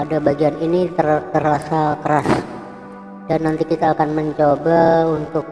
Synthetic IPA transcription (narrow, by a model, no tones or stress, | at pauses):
adabaɡianinit̪ərt̪ərasakəɾas | danːant̪ikit̪aːkanməɲt͡ʃobaunt̪ʊk̚